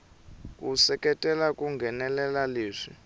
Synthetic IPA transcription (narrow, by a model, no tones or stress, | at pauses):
k̬ʼusɛkʼɛtʼɛlakʼuŋɡʱɛnɛlɛlaleːʂi